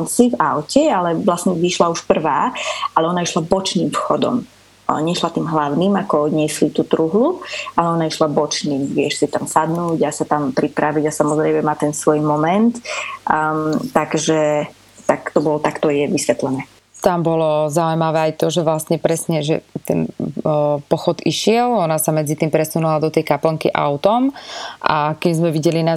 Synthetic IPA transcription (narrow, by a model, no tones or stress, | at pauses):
nsivaʊcɛalɛʋlasɲɛʋiʃlauʃpr̩ʋaːalɛɔnaiʃlabɔt͡ʃniːmfxɔd̪ɔ̰m | ɲɛʃlat̪iːmɦlaʊniːmakɔɲɪɛslit̪uːt̪ɾuɦlualɛɔnaiʃlabɔt͡ʃniːmʋɪɛʃsit̪amsad̪nuːɟasat̪ampɾipɾaʋiɟasamɔzɾɛjmɛmat̪ɛnsʋɔjmɔmɛnt̪ | t̪ːaɡʒɛ | t̪akt̪ɔbɔlɔt̪akt̪ɔjɛʋisʋɛt̪lɛnɛː | t̪ambɔlɔzaujmaʋɛːajt̪ɔʒɛʋlasɲɛpɾɛsɲɛʒɛ̰t̪ɛ̰n | pɔxɔd̪iʃɪɛlɔnasamɛd͡zit̪iːmpɾɛsunulad̪ɔt̪ɛjkapl̩ŋkiʔa̰ʊt̪ɔmʔa̰kimzmɛʋiɟɛlina